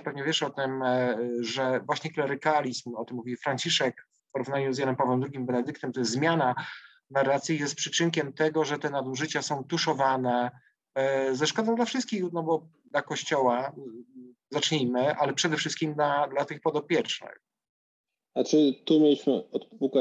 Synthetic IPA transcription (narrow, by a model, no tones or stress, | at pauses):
pɛvɲɛvʲjɛʂɔt̪ɘm | ʐɛvwaɕɲɛklɛɾɘkalʲismɔt̪ɘmːuvʲifɾaɲt͡ɕiʂɛkfpɔɾuvnaɲuzjanɛmpavwɛmd̪ɾuɡʲimbɛnɛd̪ɘkt̪ɛmt̪ɔjɛst̪zmʲjana | naɾːat̪sʲjijɛst̪̚pʂɘt͡ʂɘŋkʲɛmt̪ɛɡɔʐɛt̪ɛnad̪uʐɘt͡ɕasɔ̃w̃t̪uʂɔvanɛ | zɛʂkɔd̪ɔ̃d̪lafʂɘst̪kʲixnɔbɔ | d̪lakɔɕt͡ɕɔwa | zat͡ʂɲijmɘʔalɛpʂɛd̪ɛfʂɘst̪kʲimd̪lad̪lat̪ɘxpɔd̪ɔpʲjɛt͡ʂnɘ̰x | at͡ʂɘt̪umʲjelʲiɕmɘɔt̪puka